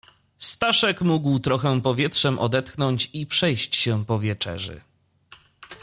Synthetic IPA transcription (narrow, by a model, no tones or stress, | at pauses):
st̪aʂɛkmuɡwt̪ɾɔxɛpɔvʲjɛtʂɛmʔɔ̰d̪ɛt̪xnɔɲt͡ɕipʂɛjɕt͡ɕɕɛpɔvʲjɛt͡ʂɛ̰ʐɘ̰